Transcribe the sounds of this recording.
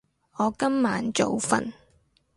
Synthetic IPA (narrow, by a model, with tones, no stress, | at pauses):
ŋɔː˨˧kɐ˥mːaː˨˥nt͡so˨wfɐ̰˨n